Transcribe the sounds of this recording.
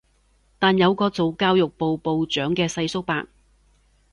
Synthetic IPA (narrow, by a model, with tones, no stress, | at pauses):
t̪aː˨njɐ˨˧wkɔː˧t͡so˨˧wkaː˥wjʊ˨k̚po˨wpo˨wt͡ʃœː˨˥ŋkɛː˧sɐ˧jsʊ˥k̚pa̰ː˧˨k̚